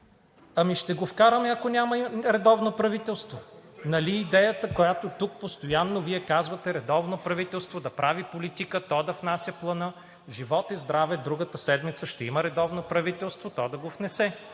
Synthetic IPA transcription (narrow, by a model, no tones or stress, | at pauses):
ɐmiʃt̪ɛɡofkaɾəmɛɐkonʲamɐɾɛd̪ɔvnopɾɐvit̪ɛlˠst̪vonɐliːd̪ɛjət̪əkojat̪ot̪uk̚post̪ojanːoviɛkazvɐt̪ɛɾɛd̪ɔvnopɾɐvit̪ɛlˠst̪vod̪ɐpɾavipolit̪ikət̪ɔd̪ɐfnasʲjəplˠɐnə | ʒivɔt̪izd̪ɾavɛd̪ɾuɡət̪əsɛd̪mit̪səʃt̪ɛiməɾɛd̪ɔvnopɾɐvit̪ɛlˠst̪vot̪ɔd̪ɐɡofnɛsɛ